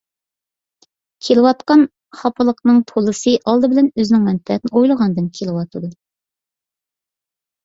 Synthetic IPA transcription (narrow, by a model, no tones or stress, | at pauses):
kʲʰelɪwɑt̪qɑn | χɑpʰəlˠəqnɨŋt̪ʰolˠɨsɨʔɑlˠd̪ɨbɪlɛnøznɪŋmɛnt̪ʰɛt̪nɪojlˠəʁɑnd̪ɨnkʲʰelɪwɑt̪ʰɨd̪u